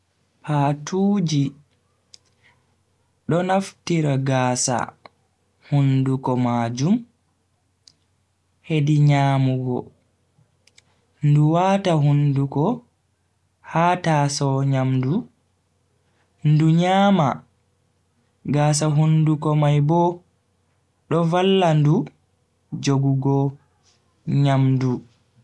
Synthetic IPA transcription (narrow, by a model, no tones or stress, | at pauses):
paːtʰuːd͡ʒi | ɗɔnaftiɾaɡaːsa̰ | hundukɔmaːd͡ʒum | hediɲaːmuɡɔ | nduwaːtahundukɔ | haːtasɔɲamdu | nduɲaːma | ɡaːs̬aɦundukɔmajbɔ | ɗɔvalːandu | d͡ʒoɡuɡɔ | ɲamdu